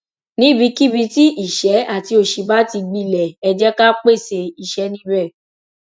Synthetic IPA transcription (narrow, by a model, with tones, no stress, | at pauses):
nĩ˨˦˨bi˧ki˦bi˧˦ti˦ʔi˦˨ʃɛ˨˦a˦˨ti˧˦o˧˨ʃi˧˦ba˦ti˧ɡ͡bi˧˨lɛ˨ɛ˧d͡ʒɛ˦ka˦k͡pe˦˨se˧i˨ʃɛ˨˦nĩ˦bɛ˦˨